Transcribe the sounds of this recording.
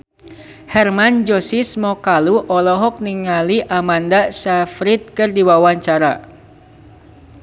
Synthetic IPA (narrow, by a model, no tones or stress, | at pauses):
hɛrmand͡ʒɔsɪsmɔkaluʔɔlɔɦɔk̚niŋaliʔamandasafɾit̪̚kɨrdiwawaɲt͡ʃaɾa